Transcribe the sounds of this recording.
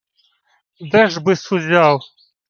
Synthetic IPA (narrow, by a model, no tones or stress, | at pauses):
d̪ɛʒbɨsuzʲalˠ